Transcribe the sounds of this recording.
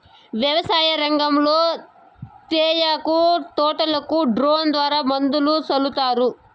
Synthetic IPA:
ʋjɐʋɐsaːjɐɾɐŋɡɐmloː | t̪eːjakut̪ɔːʈɐlɐkuɖɾoːnd̪ʋaːɾaːmɐnd̪ulusɐlut̪aːɾu

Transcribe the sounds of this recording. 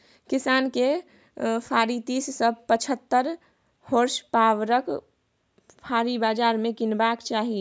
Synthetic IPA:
kɪsaːnke | pʰaːɾit̪iːssəbpət͡ʃʰət̪ːəɾ | hoːɾʃpaːʋɾək | pʰaːɾibaːd͡ʒaːɾmẽkɪnbaːkt͡ʃaːɦie

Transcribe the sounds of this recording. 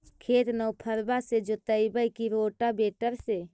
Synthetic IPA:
kʰeːt̪nəwpʰəɾbased͡ʒot̪əibəikiɾoːʈabeːʈəɾse

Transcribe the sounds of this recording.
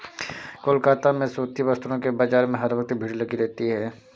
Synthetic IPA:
koːlkaːt̪amẽsoːt̪ibɐst̪uɾõkebaːd͡ʒaːɾmẽɦɐɾʋɐk̚t̪bʱiːɽlɐɡiɾɛɦt̪iɦɛː

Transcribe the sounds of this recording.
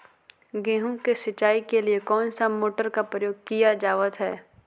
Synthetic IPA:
ɡɛ̃ːɦũkeʃɐt͡ʃːaːikeliekɔːnsamoːʈəɾkapɾəjoːɡ̚kijad͡ʒaːʋət̪ɦɛ̰ː

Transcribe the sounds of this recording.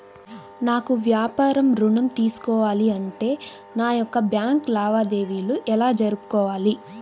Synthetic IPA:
naːkuʋjaːpaːɾɐmɾuɳɐmt̪iːsu̥kɔːʋaːliɐɳʈe̞ː | naːjɔkːɐbjaːŋklaːʋaːd̪e̞ːʋiːluʔɛlaːd͡ʒɐɾupu̥kɔːʋaːli

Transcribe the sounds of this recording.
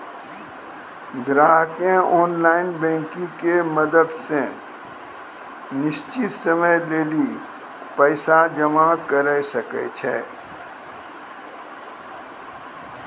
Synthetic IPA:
d̪ɾaːɦkẽʔɔːnlaːɪnbɛ̃ːŋkĩkeməd̪əd̪sẽ | nɪst͡ʃɪt̪səməjd̪eːli | pɛːsad͡ʒəmakəɾəsəket͡ʃʰɛː

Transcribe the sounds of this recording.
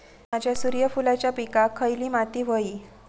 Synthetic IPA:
mad͡ʑʱjasuɾjəfulat͡ɕjapikakʰəjliːmat̪iːʋ̤əiː

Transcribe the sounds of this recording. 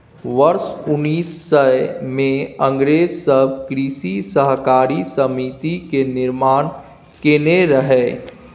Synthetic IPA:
ʋɐɾsʊnːiːsːəmẽɐ̃ŋɡɾeːd͡ʒsəbkɾiːʃisəɦkaːɾisəmit̪ikenɪɾmaːn | keneɾəɦeː

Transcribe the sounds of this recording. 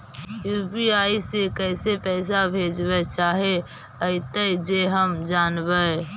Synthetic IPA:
jupiaːisekɛːsepɛɪs̬abʱed͡ʒbɛt͡ʃaːɦe | əit̪əd͡ʒeɦəmd͡ʒaːnbə

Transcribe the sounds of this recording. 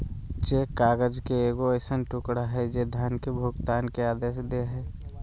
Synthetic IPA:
t͡ʃeːkaːɡəd͡ʒkeeːɡoəɪsənʈʊkɽaɦɛd͡ʒed̪ʱjaːnkebʱʊɡt̪aːnkeaːd̪eːʃd̪eɦɛː

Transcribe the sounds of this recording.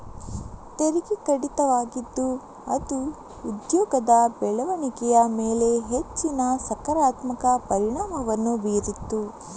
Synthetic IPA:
t̪eɾikikɐɽit̪ɐʋaːɡid̪ːu | ɐt̪uː | d̪jɔːɡɐd̪ɐbɛɭɐʋɐɳikɛjɐmeːle̞ɦet͡ʃːinɐsɐkɐɾaːt̪mɐkɐpɐɾiɳaːmɐʋɐnːubiɾit̪ːu

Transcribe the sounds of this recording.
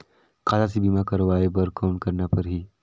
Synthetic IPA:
qaːzasibimakɐɾʋaːebɐɾkaʊ̃ɳʈkɐɾnapɐɾɦiː

